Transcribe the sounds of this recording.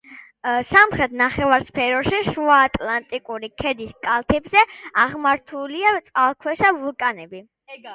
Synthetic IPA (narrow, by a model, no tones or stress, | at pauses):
samχɾɛt̪ʰnaχɛvaɾspʰɛɾɔʃiʃuaːt̪ʼlˠant̪ʼikʼuɾikʰɛd̪iskʼalˠt̪ʰɛbzɛaʁmaɾt̪ʰuliat̪sʼqʼalˠkʰwɛʃavulˠkʼanɛbi